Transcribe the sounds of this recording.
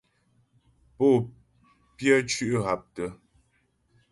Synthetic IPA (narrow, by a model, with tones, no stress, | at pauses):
po˦˨ | pjə˦t͡ʃʉ˦ʔɦa˨p̚tə˦